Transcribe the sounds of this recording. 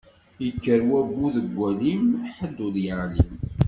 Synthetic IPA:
jəkːəɾwæbːuðəɡʷːælimħəd̪ːʊðjəʁlim

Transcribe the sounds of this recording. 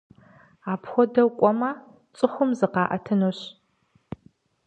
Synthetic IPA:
aːpxʷɔdɐwkʷʼɔmɐ | t͡sʼɨxʷʊmzɨqɑːʔɐ̰tʰɨnoɕ

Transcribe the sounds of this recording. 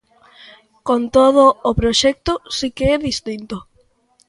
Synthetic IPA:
kont̪oð̞oːpɾoʃɛk̚t̪ʊsikeɛðist̪int̪o

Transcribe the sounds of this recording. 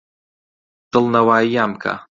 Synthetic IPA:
t̪ɨlˠnɐwajamkʰa̰

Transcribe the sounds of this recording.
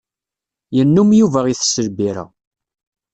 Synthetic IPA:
jənːumjuvæʁiθsəlbiɾæ̰

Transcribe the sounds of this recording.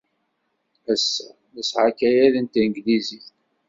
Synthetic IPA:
æsːæ | ðəsʕakːæjæðənt̪inɡliziθ

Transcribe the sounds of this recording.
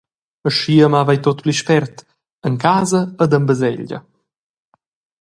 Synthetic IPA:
əʃiəmavajt̪ot̪pliʃpɛrt̪ | əŋkaːzəəd̪əmbəzɛ̰ʎɟə̰

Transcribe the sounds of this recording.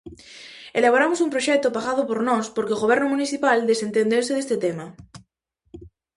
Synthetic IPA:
elaβoɾamosumpɾoʃɛk̚t̪ʊpaɣað̞ʊpoɾnɔspoɾkeoɣoβ̞ɛɾnʊmuniθipald̪esent̪end̪eɾsɪðest̪et̪ema

